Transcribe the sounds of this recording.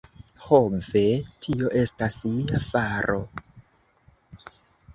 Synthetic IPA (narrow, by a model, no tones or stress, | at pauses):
homve̞tʰio̞ʔe̞stasuiafaɾo̞